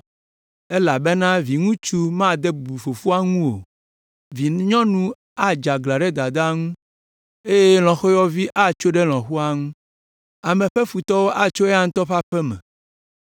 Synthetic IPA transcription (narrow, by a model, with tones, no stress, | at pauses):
e˦la˨be˦nã˦vi˨ŋũ˦t͡ʃu˦mã˦d̪ɛ˦bu˨fo˨fu˦a˦ŋũ˦wo˨ | vi˨ɲɔ̃˦nũ˦ | a˦d͡ʒa˨ɡla˨ɖɛ˦d̪a˨d̪a˦ŋũ˦ | e˦je˦l̃ɔ̃˨xɔ˦jɔ˦vi˦ʔa˦t͡ʃo˦ɖɛ˦l̃ɔ̃˨xu˦a˦ŋũ˦ | a˨mɛ̃˨ɸɛ˦fu˨t̪ɔ˦wo˦ʔa˨t͡ʃo˦ɛ˦a˦ŋ̩̃˦t̪ɔ˦ɸa˦ɸɛ˦mɛ̰̃˨